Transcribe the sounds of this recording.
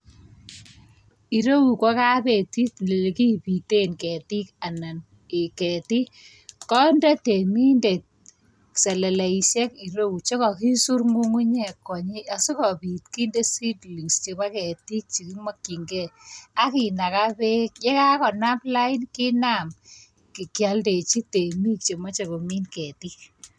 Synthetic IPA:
i˨ɾo˦u˨kɔ˦ka˦pe˨ti˦tle˨le˨ki˦pi˨te˦nke˨ti˦ka˨na˨n | e˨kɛ˨ti˦ | kɔ˦nda˦te˨mi˦nde˨t̚ | sɛ˨le˨le˨i˨sɛ˦ki˨ɾo˦u˨t͡ʃe˦kɔ˨ki˦su˦rŋu˦ŋu˦ɲɛ˨kːɔ˨ɲi˦a˨su˦kɔ˨pi˨tki˦nde˦si˦tli˨ŋst͡ʃe˨ba˦kɛ˨ti˦k̚t͡ʃi˨ki˦mɔ˦kːi˨ŋɡɛ˦a˦ki˨na˨ka˦pe˦kje˦ka˦kɔ˨na˦pla˦i˦nki˦na˦m | ki˨kja˨lde˨t͡ʃi˦te˨mi˦k̚t͡ʃe˨mɔ˦t͡ʃe˨ko˨mi˦nkɛ˨ti˦k

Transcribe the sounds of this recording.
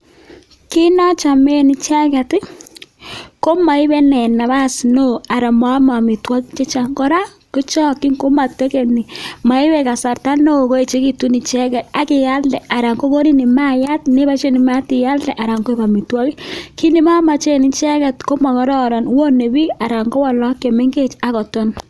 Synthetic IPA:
ki˦nɔ˦t͡ʃa˨me˦nɪ˨t͡ʃɛ˦kɛ˨tɪ˦ | ko˦ma˨ɪ˦bɛ˦nɛ˨na˨βa˦sno˦a˨ɾa˨ma˦ma˨mi˨twa˦kt͡ʃe˦t͡ʃa˨ŋɡɔ˦ɾa˦ | ko˦t͡ʃɔ˦ki˦ŋko˦ma˨tɛ˦kɛ˨ni˨ma˨ɪ˦wɛ˨ka˨sa˨rta˦no˦˨ko˦e˨t͡ʃe˦ki˨tu˦ni˨t͡ʃɛ˦kɛ˨ta˦kɪ˨ja˦ldɛ˨a˨ɾa˨ŋɡo˦ko˦ni˦ni˨maja˦t̚ne˦ba˦t͡ʃe˦ni˨ma˦tɪ˨ja˦ldɛ˨ʔa˨ɾa˨ŋɡo˦e˦ba˨mi˨twa˦ki˦ki˦ni˨ma˦ma˨t͡ʃe˦ni˨t͡ʃɛ˦kɛ˨tko˦ma˨kɔ˨˦ɾɔ˦˨ɾa˨nwo˦ne˨bi˦a˨ɾa˨ŋɡo˦wa˨lɔ˦ke˨me˦ŋɡe˦t͡ʃa˨kɔ˨to˦n

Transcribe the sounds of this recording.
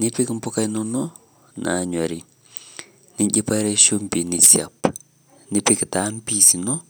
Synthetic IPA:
nɪ˦pi˦km̩˦po˦ka˦jno˦nɔ˦ | na̰˨ɲwa˨ɾi˨ | ni˦ɲɟi˦pa˦ɾe˦ʃo˦mpi˨ni˨sia̰˨p | nɪ˦pɪ˦kta˨˦m˦pi˦si˨nɔ˦

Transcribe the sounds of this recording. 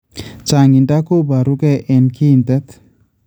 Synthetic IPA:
t͡ʃa˨ŋi˨nda˦ko˦ba˨ɾu˦kɛ˦˨ʔɛ˨nkʰi˦˨nt̪ɛ˦t̪

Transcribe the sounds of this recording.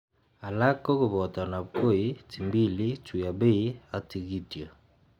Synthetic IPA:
a˨la˦kɔ˦ko˨βɔ˨ta˨na˨ko˦˨i˦ti˨mbi˦li˦tu˨ja˨be˦˨i˦a˦ti˨ɣi˦tja˨

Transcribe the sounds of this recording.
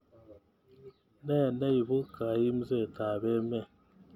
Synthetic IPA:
nɛ˦˨nɛ˦i˨bu˦ka˨ji˦m̩˦zɛ˦˨ta˨bɛ˦mɛ˦˨

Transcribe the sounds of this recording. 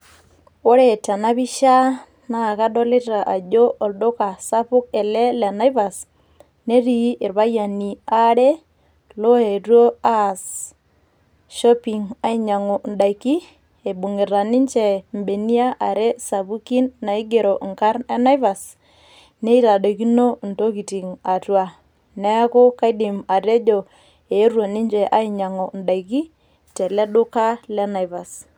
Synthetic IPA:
o˦ɾe˨ta˨na˦βi˦ʃa˦ | na˨ka˦do˦le˦ta˨ʔa˨d͡ʒo˦ʔo˨ldo˦ka˨sa˦pʊ˦ke˨lɛ˦le˨na˦jva˨s | ne˦ɾi˨˦ɪ˨ɾβa˦ja˨ni˨a˦ɾe˦ | lo˦e˨ɾwo˦a˦˨s | ʃɔ˦pi˨ŋa˦i˦ɲa˨ŋʊ˨nda˨jki˦ | e˨bʊ˨ŋɪ˨ɾa˨nɪ˦ɲt͡ʃɛ˦˨mbe˨ni˦a˦ʔa˨ɾe˦sa˨bu˦ki˦nːa˨i˦ɡe˨ɾo˨ʔŋka˦rɛ˦na˦jva˨s | ne˦i˦ta˨ɗo˨ki˦no˦nto˦k̬i˨ti˨ŋa˨twa˦ | nɛ˦ko˦ka˦dɪ˨ma˨ɾe˦d͡ʒo˨ | e˨˦rwo˨nɪ˦ɲt͡ʃɛ˨ʔa˨˦i˦ɲa˨ŋo˨nda˨jki˦ | te˨lɛ˦ɗʊ˦ka˦lɛ˦na˨jva˨s

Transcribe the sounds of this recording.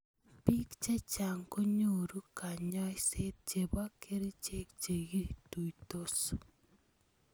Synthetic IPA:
pi˦kt͡ʃe˦t͡ʃa˨ŋko˦ɲo˨ɾu˦ka˨ɲɔ˦jse˦t̪̚t͡ʃe˨ba˦kʰe˦ɾi˦t͡ʃe˦kt͡ʃe˨ɣi˦tu˨jto˦s

